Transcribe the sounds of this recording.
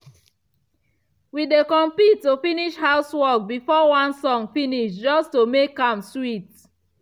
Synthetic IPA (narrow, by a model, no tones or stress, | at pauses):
widekɔ̃mpitːufiniʃhaʊswɔk̚bifɔwãnsɔ̃ŋfiniʃd͡ʒɔstomekːãmswit